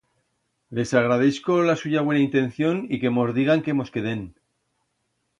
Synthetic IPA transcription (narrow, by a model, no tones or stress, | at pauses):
le̞saɣ̞ɾað̞e̞θko̞lasuʝaβwe̞naint̪ẽ̞n̟θjo̞nike̞mo̞zðiɣaŋke̞mo̞ske̞ðe̞n